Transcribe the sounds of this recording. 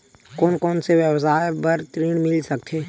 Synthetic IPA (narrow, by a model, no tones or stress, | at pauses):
koːnkɔːnseʋjəwsaːjbəɾt̪ɾiːɽmɪlsək̚t̪ʰeː